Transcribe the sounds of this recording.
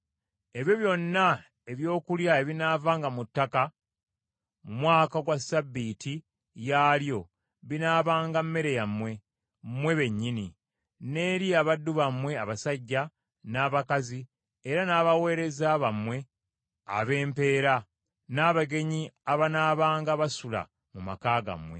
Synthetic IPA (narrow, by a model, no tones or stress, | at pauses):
e̞βjo̞βjo̞nːa | e̞βjo̞ːkuljae̞βinaːvaːŋɡamutːaka | mwaːkaɡwasabːitʰi | jaːljo̞ | βinaːβaːŋɡamːe̞ɾe̞jamːwe̞ | mːwe̞βe̞ɲːini | ne̞ːɾiaβadːuβamwe̞aβasaɟːa | naːβakazi | eɾanaːβawe̞ːɾe̞zaβamwe̞ | a̰βe̞ːmpe̞ːɾa | naːβaɡe̞ɲiaβanaːβaːŋɡaβasula̰ | muma̰kaːɡa̰mwe̞̰